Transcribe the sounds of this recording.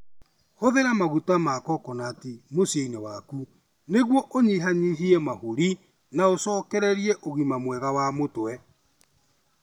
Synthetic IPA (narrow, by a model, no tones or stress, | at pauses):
hoðeɾamaɣutamakɔkɔnaːtemosieinɛwaku | neɣwɔʔoɲiɦaɲiɦiɛmahoɾi | naosɔːkɛɾɛɾiɛʔoɣimamwɛɣawamotwɛ